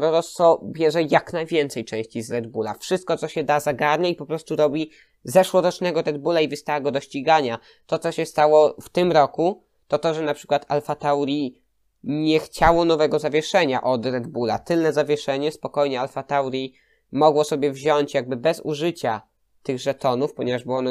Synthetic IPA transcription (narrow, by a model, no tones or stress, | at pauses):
ɾɔɾɔst̪fɔbʲjɛʐɛjaknajvʲjɛnt̪sɛjt͡ʂɛ̃w̃ɕt͡ɕizɾɛd̪bula̰fʂɘst̪̚kɔt̪sɔɕɛd̪azaɡaɾɲaipɔpɾɔst̪uɾɔbʲi | zɛʂwɔɾɔt͡ʂnɛɡɔɾɛd̪̚bulaivɘst̪awaɡɔd̪ɔɕt͡ɕiɡaɲa | t̪ɔt̪sɔɕɛst̪awɔft̪ɘmɾɔku | t̪ɔt̪ɔʐɛnapʂɘ̥kwat̪alfat̪awɾʲi | ɲɛxt͡ɕawɔnɔvɛɡɔzavʲjɛʂɛɲaʔɔd̪ɾɛd̪bula̰t̪ɘlnɛzavʲjɛʂɛɲɛspɔkɔjɲɛalfat̪awɾʲji | mɔɡwɔsɔbʲjɛvʑɔɲt͡ɕjaɡ̚bɘbɛzuʐɘt͡ɕa | t̪ɘɣʐɛt̪ɔnufpɔɲɛvaʐbɨwɔn